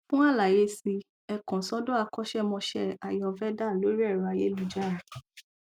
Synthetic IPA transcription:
fũ˦a˦la˨je˦si˧ | ɛ˧kɔ̃˨sɔ˦do˦a˧kɔ˦ʃɛ˦˨mɔ̃˧ʃɛ˦a˨jɔ˧˨˧fɛ˦da˦˨lo˨˦ɾi˦ɛ˦˨ɾɔ˨a˧je˦lu˨d͡ʒa˦˨

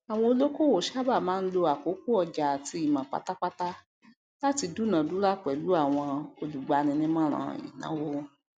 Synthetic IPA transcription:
a˨w̃ɔ̃˧o˧lo˦ko˦˨wo˨ʃa˦ba˦˨mãː˨˦n̩˦lo˧a˨ko˨˦ku˦ɔ˧˨d͡ʒa˨ti˧˦i˨mã˨k͡pa̰˨˦ta˦k͡pa˦ta˦ | la˦ti˧du˦˨nã˨du˨˦ɾa˦k͡pɛ˨lu˨˦a˦˨w̃ɔ̃˧o˧lu˨ɡ͡ba˧nĩ˧nĩ˧˦mã˦˨ɾ̃ã̰˨ḭ˨nã̰˨˦wo˦

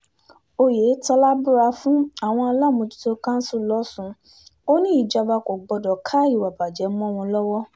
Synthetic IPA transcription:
o˧je˨˦ta˧la˦bu˦ɾa˧fũ˦a˦˨w̃ɔ̃˧a˧la˦˨mũ˧tu̥˦to˧kã˦n̩˦su˦˨lɔ˦sũ˨˧ | o˦nĩ˦i˨d͡ʒa˨˧ba˧ko˨ɡ͡bɔ˧dɔ˨kʰa˦i˦˨wa˨ba˨d͡ʒɛ˨˦m˦ɔ̃˦w̃ɔ̃˧lɔ˦wɔ˦

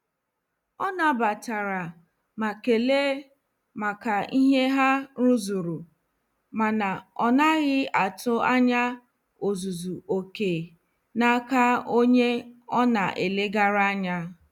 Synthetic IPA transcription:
ɔ˦na˨ba˨ta˨ɾa˨ | ma˨ke˨le˦ | ma˨ka˨i˦ɦe˦ɦa˦ɾu˦zu˨ɾu˨ | ma˨na˨ɔ˨na˦ɣɪ˦a˨tʊ˦a˦ɲa˦ | o˨zu˨zu˨o˨ke˨ | na˦ka˦o˦ɲe˦ɔ˦na̰˨ʔḛ˨le˦ɡa˦ɾa˦a˦ɲa˦

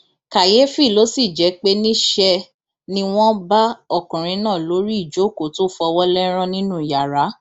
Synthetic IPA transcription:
ka˨je˨˦fi˦˨lo˨˦si˦˨d͡ʒɛ˨˦k͡pe˦nĩ˦ʃɛ˧ | nĩ˧w̃ɔ̃˦ba˦ɔ˦˨kũ˨ɾ̃ĩ˨˧˦nãː˦˨lo˨˦ɾi˦i˦˨d͡ʒo˨˦˨ko˨to˦fɔ˧wɔ˦lɛ˦ɾ̃ɔ̃˦nĩ˦nũ˦˨ja˨ɾa˨˦

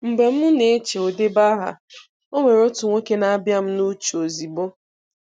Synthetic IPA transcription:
m̩˨ɡ͡be˨m̩˦nʊ˦ne˨˦t͡ʃe˨o˨de˦ba˦ɦa̰˨ | o˦ŋʷe˨ɾo˦tu˨ŋʷe˦ke˦na˦bja˦m̩˦nu˦t͡ʃu˨o˨zi˨bo˦

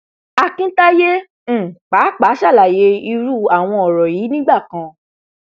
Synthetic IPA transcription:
a˦˧kĩ˦ta˦jẽ˦˨ | k͡pa˨˦k͡pa˨˦ʃa˦˨la˨je˧i˧ɾu˦˨a˦˨w̃ɔ̃˧ɔ˨ɾɔ˨jiː˨˦nĩ˦ɡ͡ba˦˨kã˧

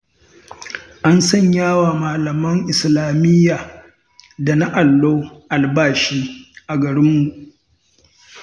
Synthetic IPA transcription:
ʔa˦nsɐ˦˨ɲjaː˦waː˨maː˨lɐ˨mɐ˦ŋʔɪ˨slaː˨mɪ˦jːaː˨ | da˨na˦ʔa˨lːoː˦ʔa˨lbaː˦ʃiː˦ʔa˨ɡɐ˨ɾɪ˦mːu˨ʔ

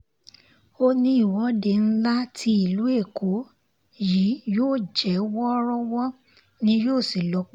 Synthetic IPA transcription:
o˦nĩ˧˦i˦˨wɔ˨˦de˧˨n̩˦la˦tʰi˧˦i˦˨lu˨˦e˦˨kʰo˨˦ | ji˨˦joː˦˨d͡ʒɛ˨˦wɔ˦ɾɔ˦wɔ˦ | nĩ˦joː˦˨si˨lɔ˨˦k͡p

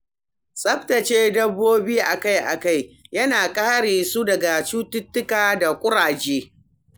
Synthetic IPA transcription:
sʼɐ˦ɸtɐ˨t͡ʃeː˦dɐ˦bːoː˦biː˦ʔa˨ka˦jʔa̰˨ka˦˨jjɐ˦naː˨kʼaː˦ɽeː˨su˦dɐ˨ɡa˨t͡ʃuː˦tʊ˦tːʊ˦kaː˨da˨kʷʼʊ˦ɽaː˨d͡ʒeː˦

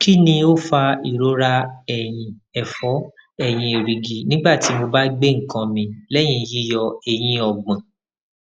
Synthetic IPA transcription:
ki˦nĩ˧o˦fa˧i˦˨ɾo˨˦ɾa˧ɛ˨j̃ĩ˧ɛ˨fɔ˨˦ | ɛ˦˨j̃ĩ˧e˨ɾi˨ɡi˨nĩ˦ɡ͡ba˦˨ti˨˦mo˧ba˦ɡ͡be˦˨ŋ̩˨kã˧mĩ˧lɛ˦j̃ĩ˧ji˦jɔ˧e˨j̃ĩ˧ɔ˧ɡ͡bɛ̃˨

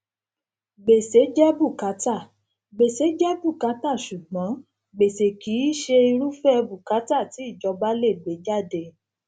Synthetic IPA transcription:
ɡ͡be˨se˨˦d͡ʒɛ˦bu˦˨ka˨˦ta˦˨ | ɡ͡be˨se˨˦d͡ʒɛ˦bu˦˨ka˨˦ta˦˨ʃu˨ɡ͡bɔ̃˨˦ | ɡ͡be˨se˨ki˨˦˨ʃe˧i˧ɾu˦fɛ˦˧bu˨ka˨˦ta˦˨ti˨˦i˦˨d͡ʒɔ˧ba˦le˦˨ɡ͡be˨˦d͡ʒa˦˨de˧

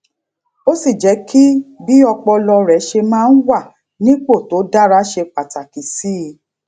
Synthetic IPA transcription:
o˦si˦˨d͡ʒɛ˨˦ki˦bi˦ɔ˧k͡pɔ˧lɔ˧ɾɛ˨˦ʃe˧mãː˦˧n̩˦wa˦˨ | nĩ˦k͡po˦˨to˨˦da˦ɾa˦ʃe˧k͡pa˨ta˨ki˨si˨˦˧

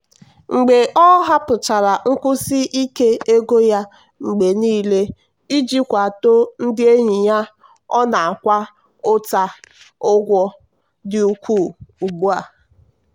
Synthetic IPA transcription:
ŋ͡m̩˨ɡ͡be˨ʔɔ˦ɦa˦pʊ˨t͡ʃa˨ɾa˨ŋ̩˦kʊ˦sɪ˦ʔi˦ke˦e˦ɡo˦ja˦ | ŋ͡m̩˨ɡ͡be˨niː˦le˦ | i˦d͡ʒi˦kʷa˨to˦n̩˦dɪ˦e˦ɲi˨ɲa˦ | ɔ˦na˨a˨kʷa˦ | ʊ˦ta˦ | ʊ˦ɡʷɔ˦ | dɪ˨u˦kʷu˦˨u˨ɡ͡bu˦a˨

